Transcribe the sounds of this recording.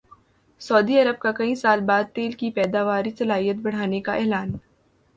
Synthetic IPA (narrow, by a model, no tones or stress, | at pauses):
sɔːd̪iɐɾəb̚kakɐĩsaːlbaːd̪̚t̪eːlkipɛːd̪aːʋaːɾisɐlaːijət̪̚bɐɽ̤aːnekaʔɛːlaːn